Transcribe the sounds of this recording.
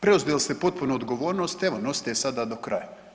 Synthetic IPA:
pɾeuzd̪elist̪epo̞t̪̚punuːd̪ɡoʋo̞ːɾno̞st̪eʋo̞nost̪esad̪ad̪okɾa̰ja

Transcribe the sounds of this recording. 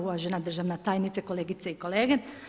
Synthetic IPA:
uʋaʒenad̪r̩ʒaːʋnat̪aːjnit̪seko̞leːɡit̪seiko̞leːɡe

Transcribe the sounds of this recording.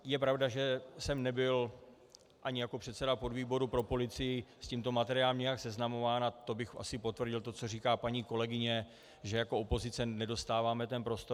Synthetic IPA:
jɛpɾavdaʒɛsɛmnɛbɪl | ʔaɲɪjako̞pr̥ɛt̪sɛdapo̞dviːbo̞ɾupɾo̞po̞lɪt͡sɪjɪsciːmt̪o̞mat̪ɛɾɪaːlɛmɲɛjaksɛznamo̞vaːnat̪o̞bɪxʔa̰sɪpo̞t̪vrɟɪlt̪o̞t͡so̞r̝iːkaːpaɲiːko̞lɛɡɪɲɛ | ʒɛjako̞opo̞zɪt͡sɛnɛdo̞st̪aːvaːmɛt̪ɛnpɾo̞st̪o

